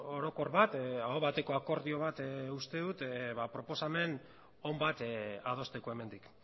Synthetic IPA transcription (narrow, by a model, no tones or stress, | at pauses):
o̞ɾo̞ko̞ɾβat̪aoβat̪e̞ko̞ako̞ɾðio̞β̞at̪ust̪e̞ðut̪βapɾo̞po̞same̞n | o̞mbat̪að̞o̞st̪e̞ko̞eme̞nd̪ik